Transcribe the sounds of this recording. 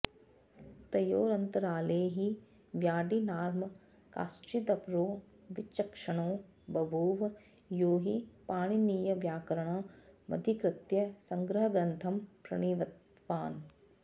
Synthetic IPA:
t̪ɐjoːɾɐnt̪ɐɾaːleːɦi | ʋjaːɖinaːɾmɐ | ka̰ːst͡ʃid̪ɐpɾoː | ʋɪt͡ʃːɐkʂɐɽ̃oː | bɐbʱuːʋ | joːɦipaːɽ̃iniːjɐʋjaːkɐɾɐɽ̃oːmɐ̰d̪ʱikɾɪt̪jɐsɐ̃ŋɡɾɐɦɐɡɾɐnt̪ʰɐmpɾɐ̰ɽ̃iːʋɐt̪ | ʋaːn

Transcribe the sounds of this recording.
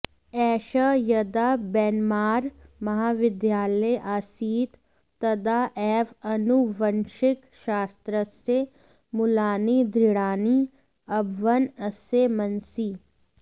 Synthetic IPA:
ɛːʃəjɐd̪aːbɛːnmaːɾmɐɦaːʋɪd̪jaːləjʔaːsiːt̪ | t̪ɐd̪aʔɛːʋɐnuʋɐnʃɪk | ʃaːst̪ɾəse | mʊlaːnid̪ɾɪɽaːni | ɐbʱʋənɐsemɐnsiː

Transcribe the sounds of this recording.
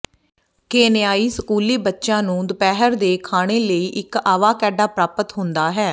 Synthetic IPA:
keːnɪjaːiːsəkuːliːbətːʃãːnũːd̪əpɛːɦəɾd̪eːkʰaːɽ̃eːləiːʔɪkaːʋaːkɛːɖaːpɾaːpət̪ɦʊ̃nd̪aːɦɛː

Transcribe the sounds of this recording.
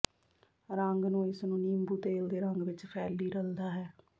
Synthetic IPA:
ɾəŋɡnũːɪsnũːniːmbuːt̪eːld̪eːɾəŋɡʋɪt͡ʃpʰɛːlːiːɾəld̪aːɦɛː

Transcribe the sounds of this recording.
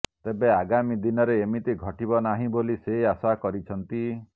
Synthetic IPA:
t̪ebeaɡamid̪inɔɾeemit̪iɡʱɔʈibɔnaɦĩboliseiasakɔɾit͡ʃʰɔnt̪i

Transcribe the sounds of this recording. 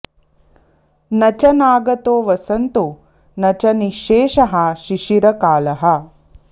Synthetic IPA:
nɐt͡ʃɐnaːɡɐt̪oːʋɐsɐnt̪u | nɐt͡ʃɐniʃeːʃɐɦɐʃiʃiɾɐkaːlɐɦɐ

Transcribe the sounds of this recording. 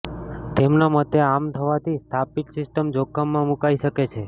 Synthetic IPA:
t̪emnamət̪eamt̪ʰəʋat̪ʰist̪ʰapiksɪsʈəmd͡ʒokʰːəmːãmukaiʃəket͡ʃʰe

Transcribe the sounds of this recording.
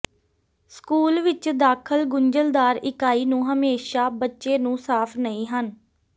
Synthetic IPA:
skuːlʋɪt͡ʃd̪aːkʰəlɡʊɲd͡ʒəld̪aːɾɪkaːiːnũːɦəmeːʃaːbətːʃeːnũːsaːpʰnəĩːɦən

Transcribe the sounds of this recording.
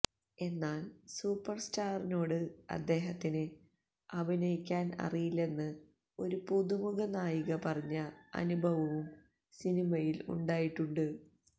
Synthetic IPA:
e̞nːaːlsuːpːɐrstaːrino̞ːɽɨɐ̰d̪ːe̞ːɦɐt̪ːinɨ | ɐbʱinɐjikʲːaːnɐ̰rijilːe̞nːɨ | o̞ɾupuðumuɣɐnaːjiɣɐpɐrɐɲːɐɐ̰nubʱɐʋɐʋum | sinimɐjilṵɳɖaːjiʈːuɳɖɨ

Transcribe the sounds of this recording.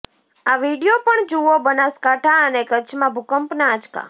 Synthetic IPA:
aʋiɽijopəɳd͡ʒuʋobənaskaʈʰaənekət͡ʃʰmãbʱukəmpnãːt͡ʃka̰

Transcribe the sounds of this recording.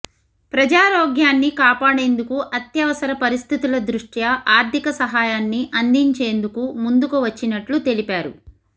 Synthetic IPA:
pɾɐd͡ʒaːɾoːɡjaːnːikaːpaːɽe̞ːnd̪ukuʔɐt̪jɐʋɐsɐɾɐpɐɾist̪ʰit̪ulɐd̪ɾuʂʈjɐʔaːɾt̪ʰikɐsɐɦaːjaːnːiʔɐnd̪iɲt͡ʃe̞ːnd̪ukumund̪ukuʋɐt͡ʃːinɐʈlut̪e̞lipaːɾṵ

